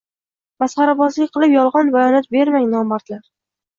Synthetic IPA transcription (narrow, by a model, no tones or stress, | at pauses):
masχaɾabɒzlɪqʰɨlˠɪpjɒlˠʁɒnbajɒnɒt̪̚be̞ɾmaŋnɒmaɾt̪laɾ